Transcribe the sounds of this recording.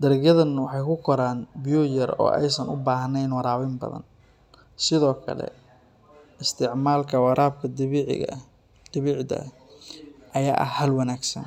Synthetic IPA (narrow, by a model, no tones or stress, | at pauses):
d̪ɐɾɪɡjɐðɐnwɑħɑjkʰʊkʰɔɾaːnbɪjujɐrɔ̰ːʔɛ̰jsɐnʔʊbaːɦɐnɛjnwɑɾaːwɪmbɐ̰ðɐ̰n | sɪðɔːkʰɐ̰lɛ̰ | ɪst̪ʰɪʕmaːlkʰɐwɑɾʔaːb̚kʰɐd̪ʕ̰ | d̪̥ɪβɪʕd̪ɐ̰ | ʔɐjaːʔɐ̰hɐlwɑnaːɡsɐ̰n